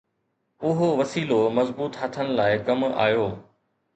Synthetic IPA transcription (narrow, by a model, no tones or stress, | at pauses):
ʊɦoʋɐsiːlomɐzbuːt̪ɦət̪ʰənɪ̆laːɪkɐma̰ːjoː